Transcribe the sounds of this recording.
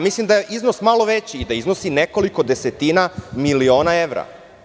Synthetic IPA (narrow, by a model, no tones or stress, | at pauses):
mislimd̪ajeʔiznosmalo̞ʋet͡ɕiːd̪aiznosineko̞liko̞d̪eset̪inamilio̞ːnaeʋɾa̰